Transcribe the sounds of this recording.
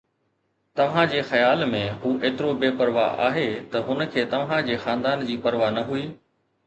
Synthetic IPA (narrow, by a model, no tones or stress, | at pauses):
t̪ɐʋ̤ãd͡ʑeːxɐjaːlmẽɦuːʔeːt̪ɪɾobeːpɐɾʋa̰a̰ːɦeːt̪ɐɦʊn̆kʰeːt̪ɐʋ̤ãd͡ʑeːxãːnd̪aːnd͡ʑiːpɐɾʋaːnɐɦuiː